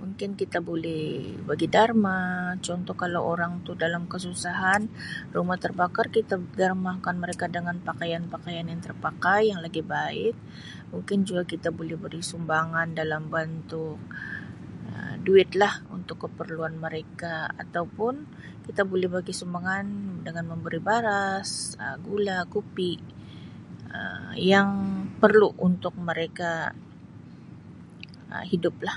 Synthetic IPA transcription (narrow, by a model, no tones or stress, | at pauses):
muŋkɪnkit̪abolɛhbaɡidarmat͡ʃɔnt̪ɔhkalawʔoɾaŋt̪udalamkəsusaɦanrumaht̪ərbakarkit̪adarmahkanməɾekadəŋanpakajanpakajanjaŋt̪ərpakajːaŋlaɡibaɪk̪̚ | muŋkɪnd͡ʒuɡakit̪abolɛhbaɡisumbaŋandalambant̪ʊk̚ | ə̰duɪt̪lahṵnt̪ʊkːəpərluanməɾekaa̰t̪awpʊn | kit̪abolɛhbaɡisumbaŋandəŋanməmbəɾibaɾasə̰ɡulakupiʔ | ə̰jaŋpərluʔunt̪ʊk̚məɾeka | ə̰hidʊp̚lah